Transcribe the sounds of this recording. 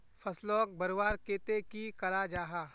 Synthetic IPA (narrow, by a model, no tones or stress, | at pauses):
fʰɐslɔːk̚bɐɾwaːɾkeːt̪ekikɐɾad͡ʒaːɦaː